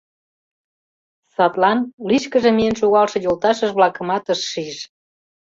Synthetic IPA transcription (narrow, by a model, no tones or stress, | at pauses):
sɑt̪lɑnliʃkəʒemienʃuɣɑlʃɤ̆jolt̪ɑʃəʒβlɑkə̆mɑt̪əʃːiʃ